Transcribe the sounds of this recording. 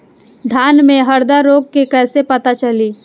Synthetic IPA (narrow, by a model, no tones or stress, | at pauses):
d̪ʱaːnmẽɦəɾd̪aɾoːɡ̚kekɛːsepɐt̪at͡ʃəliː